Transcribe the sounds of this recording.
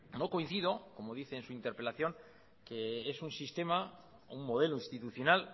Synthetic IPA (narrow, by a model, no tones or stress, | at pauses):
no̞ko̞in̟θiðo̞ko̞mo̞ðiθe̞ːnsuint̪e̞ɾpe̞laθjo̞ŋ | ke̞esunsist̪e̞ma̰ | umːo̞ð̞e̞loinst̪it̪uθjo̞nal